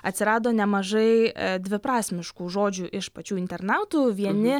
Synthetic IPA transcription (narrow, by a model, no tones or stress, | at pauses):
ɐtʲsʲɪɾɑːd̪oːnʲɛmɐʒɐɪd̪ʲʋʲɪpɾɑːsʲmʲɪʃkuːʒoːd͡ʒʲuːʔɪʃpɐt͡ʃʲuːɪnʲt̪ʲɛɾnɑːt̪uːʋʲiɛnʲɪ